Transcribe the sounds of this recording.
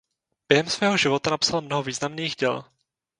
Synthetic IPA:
b̥jɛɦɛmsvɛːɦoʒɪvo̞t̪anapsalmnoɦoviːznamniːxɟɛl

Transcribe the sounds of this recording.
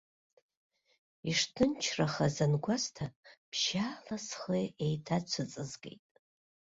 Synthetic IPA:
iʂtʰɨnt͡ʃʰraχazanɡʷastʰapʰʃaːlasχeejtʰat͡ʃʷʰɨt͡sʼɨzɡḛjtʼ

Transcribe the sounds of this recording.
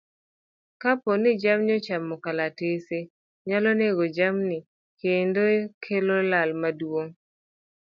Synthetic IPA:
kaponɪd͡ʒamɲɔt͡ʃamːɔkalatese | ɲalɔneɡod͡ʒamnɪ | kendokʰelolalmadwoŋ

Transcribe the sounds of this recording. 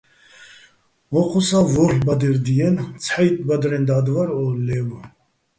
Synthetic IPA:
ɔχʰusavɔɬbad̪ɛɾd̪iɛnt͡sʰħajt̪̚ʼbad̪ɾɛnd̪ad̪vaɾɔlɛv

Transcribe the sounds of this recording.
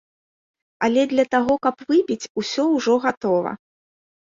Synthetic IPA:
ɐlʲɛd̪lʲɐt̪aɣɔkɐpvɨpʲit͡sʲusʲɔwʐɔɣat̪ɔvɐ̰

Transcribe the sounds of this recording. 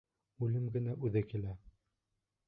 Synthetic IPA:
ʉlɘmɡɘ̆næʔʉðɘkilæ

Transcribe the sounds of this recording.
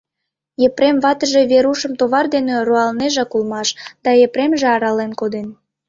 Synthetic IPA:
jepɾemβɑt̪əʒe̽βeɾuʃəmt̪oβɑrd̪eneroɑlneʒɑkulmɑʃd̪̥ɑepɾemʒeɑɾɑlenkod̪en

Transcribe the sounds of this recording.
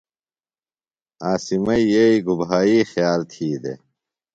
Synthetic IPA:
aːsimɐijeiɡubɦaːiːxjaːlt̪ʰiːd̪ḛ

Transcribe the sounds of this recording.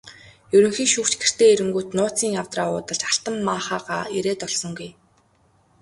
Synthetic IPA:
jɵɾɵ̆ŋxiːʃuːkt͡ɕɡĕr̥t̪eːeɾɘ̆ŋɡuːt̪nʊːt͡siːŋawt̪raːʊːt̪ə̆ɮt͡ɕḁɬt̪ə̆mːaːχaːʁaːeɾeːt̪ɔɮsɞ̆ŋɡuj

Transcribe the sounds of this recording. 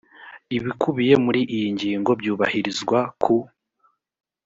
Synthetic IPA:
iβikʰuβije̞muɾiʔijiɲɟiːŋɡo̞bjuːβahiɾizɡwakʰu

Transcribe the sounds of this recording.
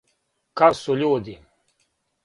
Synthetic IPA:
kasuʎuːd̪i

